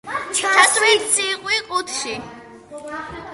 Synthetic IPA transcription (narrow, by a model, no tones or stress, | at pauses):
t͡ʃʰasʼwisʰiqʼwiqʼut̪ʰʃi